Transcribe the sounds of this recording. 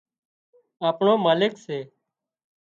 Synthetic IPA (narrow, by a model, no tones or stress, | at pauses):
aːpɳõːmaːlɪkseː